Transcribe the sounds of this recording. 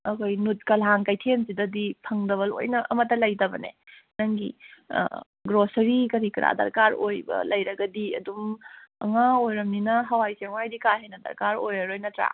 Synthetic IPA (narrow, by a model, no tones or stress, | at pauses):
ɐkʰojnut̚kɐlɦaŋkajtʰensidɐdipʰɐŋdɐβɐlo̰jnɐʔɐmɐtːɐlɐjtɐbɐ̰nḛ | nɐŋɡḭ | ɡɾosɐɾikɐɾikɾa̰dɐ̰ɾkaɾojbɐ̰lɐjɾɐɡɐdiɐ̰dumɐ̰ŋaojɾɐmninɐɦɐwajseŋwajdikaɦejnɐdɐ̰ɾkaɾojɐɾojnɐtɾa̰